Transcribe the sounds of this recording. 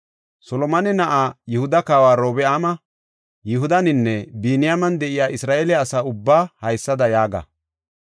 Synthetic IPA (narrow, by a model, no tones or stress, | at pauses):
sɔlɔmɐnɛnɐʔaːjɪhʊd̪ɐkaːwaːɾoːbɛaːmɐ | jɪɦʊd̪ɐnɪnːɛbiːnɪjamɐnd̪ɛʔɪjaːʔɪsɾaːʔɛlɛɐsaːʊbːaːhɐjsːɐd̪ɐjaːɡɐ̰